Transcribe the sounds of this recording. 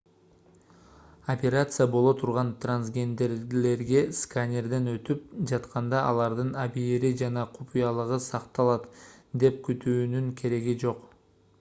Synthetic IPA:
opʲe̞ɾat̪sɨjəbo̞lˠo̞t̪ʰuɾʁɑnt̪ransɡʲe̞nd̪e̞ɾle̞ɾɡe̞skanʲe̞rd̪enø̞t̪yp̚d͡ʒɑt̪qɑnd̪ɑʔɑlˠɑɾd̪ɯnabieɾid͡ʒɑnɑqʰupʲijɑlˠɯʁɯsɑqt̪ɑlˠɑt̪d̪e̞p̚kyt̪yːnyŋkʰe̞ɾe̞ɡid͡ʒo̞q

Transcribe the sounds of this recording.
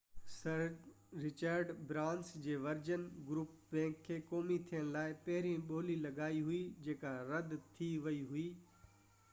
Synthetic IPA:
sɐɾ | ɾɪt͡ɕəɾɖbɾãːnsd͡ʑeːʋɐɾd͡ʑənɡɾuːpbɛ̃ːkʰːeːkɔːmit̪ʰijəɽ̃ɪlaːɪpɐɦɪɾĩɓoːlilɐɡaːiɦʊid͡ʑeːkaɾɐd̪t̪ʰiʋɐiɦʊiː

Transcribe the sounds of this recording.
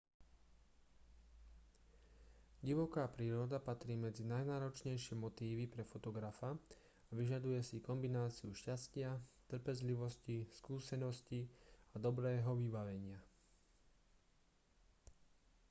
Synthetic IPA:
ɟiʋɔkaːpɾiːɾɔd̪apat̪ɾiːmɛd͡zinajnaːɾɔt͡ʃɲɛjʃɪɛmɔt̪iːʋipɾɛfɔt̪ɔɡɾafa | aʋiʒad̪ujɛsikɔmbinaːt͡siuʃcascɪat̪r̩pɛzliʋɔsciskuːsɛnɔsciad̪ɔbɾɛːɦɔʋibaʋɛɲɪa

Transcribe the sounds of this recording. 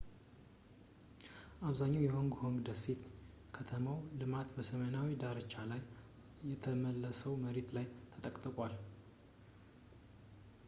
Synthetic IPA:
ʔaβzaɲːawjɛhoŋɡhoŋɡd̪əset̪ | kʰət̪ʰəmawlɨmat̪bəsəmənawid̪aɾət͡ʃːalajː | ɛt̪ʰəməlːəsəwməɾet̪lajt̪ʰət̪ʼəkʼt̪ʼəkʼwal

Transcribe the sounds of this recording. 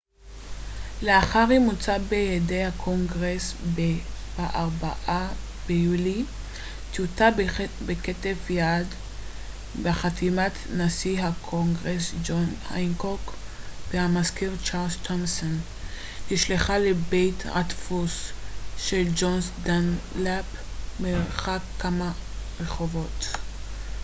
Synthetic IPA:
leaχaʁimut͡sabejedejhakʰoŋɡʁesbebaʔaʁbaʔa | b̥ejuli | t̪jutabeketevjad | beχatʰimat̪nasiɦakʰoŋɡʁesd͡ʒonha̰jnkok | b̥ehamaskiʁt͡ʃaʁld͡ʒt̪ʰomson | hiʃliχalebejta̰tfusʃeld͡ʒonsdanlapmeʁχakːama | ʁeχo̞vo̞t

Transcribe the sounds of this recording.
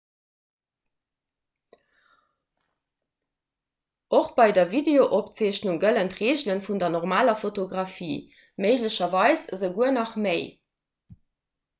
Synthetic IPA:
oχb̥ɑɪdɐvideoʔopt͡seːɕnuŋɡələntʁeːʑlənfundɐnɔʁmaːlɐfotoɡʁɑfiː | məɪʑləɕɐvɑɪszəɡuənɑχməɪ

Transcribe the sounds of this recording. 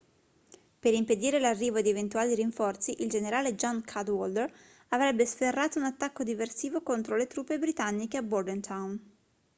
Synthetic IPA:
peɾimped̪iːɾelarːiːvod̪ievent̪uaːliɾiɱfɔrt̪siʔild͡ʒeneɾaːled͡ʒɔnkʰad̪wɔld̪eɾ | avɾɛbːesferːaːt̪ounat̪ːakːod̪iversiːvokont̪ɾolet̪ɾuːpːebɾit̪anːikeabord̪ɛnt̪ʰawn

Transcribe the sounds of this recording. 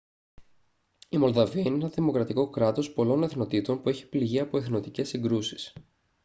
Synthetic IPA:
imo̞lðɐviɐineenɐðimo̞kɾɐt̪iko̞kɾɐt̪o̞spo̞lo̞ne̞θno̞t̪it̪o̞npueçi̥pliʝiɐpo̞e̞θno̞t̪ice̞sːiŋɡɾusi̥s

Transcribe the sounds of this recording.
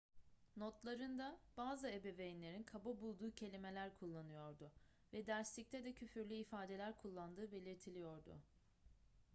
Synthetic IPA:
not̪lˠaɾɯnd̪ab̥aːzɯebevejinlʲe̞ɾinkʰabobulˠd̪uːcʰe̞lʲime̞lʲæɾkʰulˠːanɯjo̞ɾd̪ʊ | vɛd̪æɾslʲic̚t̪ʰɛd̪ɛcʰyfyɾlʲyifaːd̪e̞lʲæɾkʰulˠːand̪ɯːbe̞lʲiɾt̪ʰilʲijo̞ɾd̪ʊ̰

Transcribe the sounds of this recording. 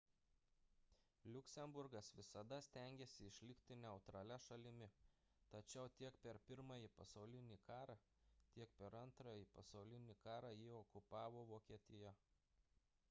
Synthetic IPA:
lʲʊkʲsʲɛmbʊɾɡɐsʋʲɪsɐd̪ɐsʲt̪ʲæˑŋʲɡʲeːsʲɪɪʃʲlʲɪkʲt̪ʲɪnʲɛʊt̪ɾɐlʲɛʃɐlʲɪmʲɪ | t̪ɐt͡ʃʲɛʊt̪ʲiɛkpʲɛɾpʲɪɾmɐjipɐsɐʊlʲɪnʲiːkɑːɾɑː | t̪ʲiɛk̚pʲɛɾɐnt̪ɾɐjiˑpɐsɐʊlʲɪnʲiːkɑːɾɑːjɪɔkʊpɑːʋoːʋoːkʲiɛt̪ʲɪjɛ

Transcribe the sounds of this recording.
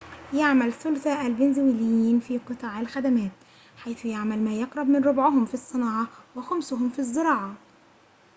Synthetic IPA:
jaʕmælθʊlθæʔælbɪnzɪwɪlɪjiːnfiːqɨt̪ˤɑːʕalxæd̪æmæːt̪ | ħajθjaʕmælmæːjɑqɾˤɑb̚mɪnɾˤʊbʕʊɦʊmfisˤːɨnɑːʕɑwɪxʊmsʊhʊmfizˤːɨɾˤɑːʕɑ

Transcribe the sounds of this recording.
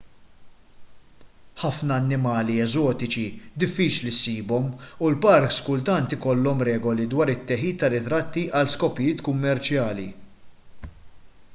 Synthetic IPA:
ħɐfnɐːnːɪmɐːliɛzɔːt̪ɪt͡ʃid̪ɪfːiːt͡ʃlisiːbɔmulpɐɾkskʊlt̪ɐnt̪ɪkɔlːɔmɾɛːɡɔlid̪wɐːɾɪt̪ːɛħiːt̪ːɐrɪt̪ɾɐt̪ːiʔɐlskɔpɪjɪːt̪kʊmːɛɾt͡ʃjɐːlḭ

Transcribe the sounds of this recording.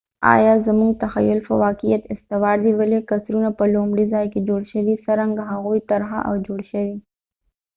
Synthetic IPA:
a̰ːjazɐmuŋɡ̚t̪ɐxɐ̰jːʊlfɐwaːkijɐt̪ɪst̪ɪwaːɾd̪iwɐlekɐsɾunapɐloːmɽizaːjkid͡ʒoːɽʃɐʋisɐɾɐŋɡɦaɣoːit̪ɐɾɦa̰ʔa̰wd͡ʒoːɽʃɐwi

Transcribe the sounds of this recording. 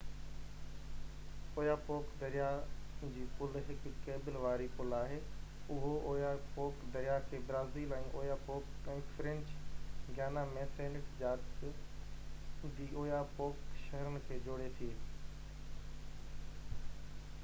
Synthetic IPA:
oːjapoːkd̪ɐɾijad͡ʑiːpʊlɦɪkːeːbɪlʋaːɾipʊlaːɦeː | ʊɦooːjapoːkd̪ɐɾɪjakʰeːbɾaːziːlɛ̃ːʔoːjapoːkɛ̃ːfɾɛ̃ɲt͡ɕɡjaːnamẽːsẽːnɪʈd͡ʑaːdɪs | d̪iːoːjapoːkʃɐɦəɾənɪ̆kʰeːd͡ʑoːɽet̪ʰieː

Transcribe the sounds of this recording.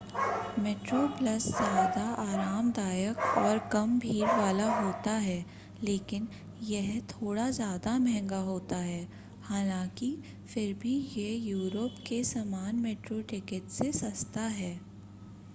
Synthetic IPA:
meːʈɾoplɐszjaːd̪aaːɾaːmd̪aːjəkɔːɾkɐmbʱiːɾʋaːlaɦoːt̪aɦɛː | leːkɪn | jɛɦt̪ʰoːɽazjaːd̪amɛ̃ɦɛ̃ŋɡaɦoːt̪aɦɛː | haːlãːki | fɪɾbʱijejuːɾəpkesaːmaːnmeːʈɾoʈɪkɪʈsesɐst̪aɦɛː

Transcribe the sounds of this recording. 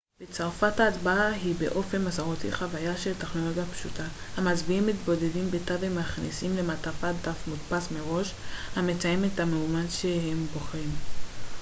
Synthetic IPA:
b̥et͡saʁfataːdbaaɦibe̞̰ʔo̞fe̞nmasaʁot̪ḭχavajaʃe̞lteχno̞lo̞ɡjapʃutahamat͡sbiimːitbo̞de̞dimbetavemaχnḭsimle̞matafadafmutpasmeʁo̞ʃhame̞t͡sajemethameumadʃehembo̞χʁim

